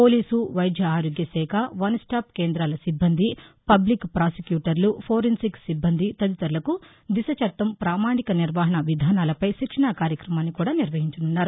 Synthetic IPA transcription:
po̞ːliːsuʋɐjd̪ʱjɐaːɾoːɡjɐsɛːkʰaʋɐnsʈaːp̚keːnd̪ɾaːlɐsibːɐnd̪ʱipɐblikːpɾaːsikjuːʈɐɾlupʰoːɾinsikssibːɐnd̪ʱit̪ɐd̪it̪ɐɾlɐku | d̪isɐt͡ʃɐʈ̪ːɐmpɾaːmaːnikɐniɾʋaːɦɐɳɐʋid̪ʱaːnaːlɐpɐjʃikʂɐɳaːkaːɾjɐkɾɐmaːnːikuːɽaːniɾʋɐɦiɲt͡ʃɐnunːaːɾu

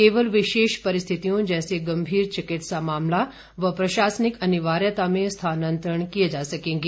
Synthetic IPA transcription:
keːʋəlʋɪʃeːʃpɐɾɪst̪ʰit̪ijõd͡ʒɛːseɡɐmbʱiːɾt͡ʃɪkɪʈsamaːmla | ʋɐpɾɐʃaːsənɪkɐneʋaːɾjət̪amẽst̪ʰaːnənt̪ɾəɳkijed͡ʒasɐkẽːŋɡe

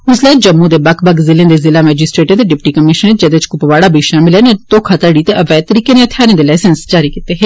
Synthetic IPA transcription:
ʊslɛːd͡ʒəmːũːd̪eːbəkʰbəɡzɪlẽːd̪eːzɪlaːmɛːd͡ʒɪsʈɾeːʈət̪eːɖɪpʈiːkəmɪʃəned͡ʒɛːd̪eɪt͡ʃkʊpʋaːɽaːbiːʃaːmɪlɛːnet̪oːkʰat̪əɽiːt̪eːʔəʋɛːt̪əɾiːkẽːneːət̪ʰːjaːɾẽːd̪eːlaːsənsd͡ʒaːɾiːkit̪ːeːɦeː

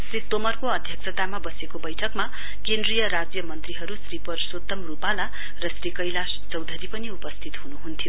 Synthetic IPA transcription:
srit̪ːomʌrkoʌd̪ʱjʌksʰʌt̪amabʌsekobʌjʈʰʌkma | kend̪rijʌɾad͡zjʌmʌnt̪riɦʌɾusripʌrsot̪ːʌmrupala | rʌsrikʌjlast͡sʌwd̪ʱʌɾipʌniupʌst̪ʰit̪ɦunuɦunt̪ʰijo

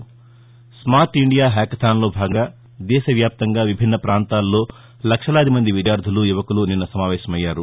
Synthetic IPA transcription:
smaːɾʈiɳɖijaːɦɛːkɐt̪ʰaːnlo̞ːbʱaːɡɐɡaː | d̪ɛːʃɐʋjaːp̚t̪ɐŋɡaːʋibʱinːɐpɾaːnt̪aːlːo̞ː | lɐkʂɐlaːd̪imɐnd̪iʋid̪jaːɾd̪ʱulujuʋɐkuluninːɐsɐmaːʋɛːʃɐmɐjːaːɾu

